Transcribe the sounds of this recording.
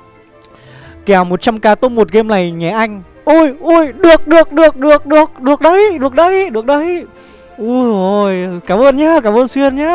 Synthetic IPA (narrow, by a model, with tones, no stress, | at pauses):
kɛ˨˩˨wmo˨˩t̚t͡ɕa˧mkaː˧t̪o˧ŋ͡mmo˨˩t̚ɣe˧mna˨˩jɲɛ˨˩ʔa˧jŋ̟ | ʔu˧˩jʔu˧jɗɨ˨˩ək̚ɗɨ˨˩ək̚ɗɨ˨˩ək̚ɗɨ˨˩ək̚ɗɨ˨˩ək̚ɗɨ˨˩ək̚ɗə˧˦jɗɨ˨˩ək̚ɗə˧˦jɗɨ˨˩ək̚ɗə˧˦j | ʔu˧˩zo˧˩jkaː˧˩˦mʔəː˧nɲaː˧˦˥kaː˧˩mʔəː˧nswi˧ənɲaː˧˦